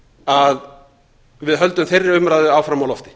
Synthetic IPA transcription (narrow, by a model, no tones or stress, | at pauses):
að | vɪðɦœlt̪ʏmθejrːɪʏmɾaðʏaːwfɾamawlɔft̪ɪ̥